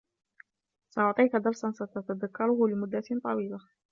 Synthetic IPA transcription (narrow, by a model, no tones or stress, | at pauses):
sɑʔʊʕt̪ˤiːkad̪ɑɾˤsˤansat̪at̪ad̪akːaɾʊhlɪmʊd̪ːat̪ɪnt̪ˤːɑwiːla